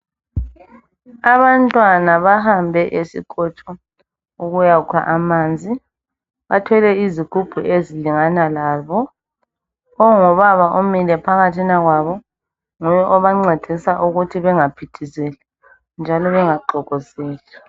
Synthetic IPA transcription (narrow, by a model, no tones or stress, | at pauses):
aβantʼwanaβaɦambʱɛʔesḭkʼɔt͡ʃʰʼɔ | uɣujaukʰa̰ʔamaːnd͡zʱi | βatʰɛlɛiziɡ̥ʰʱub̥ʱuʔeziliŋanalaːβɔ | ɔŋɔβaβaʔomilɛpʰaɣatʰinaɣwaβɔ | ŋujɛʔɔβaŋ͡ǀed̥ʱisaʔuɣutʰiβɛŋapʰitʰizɛlɛ | nd͡ʒʱalɔβɛŋaǃɔɣɔzɛːla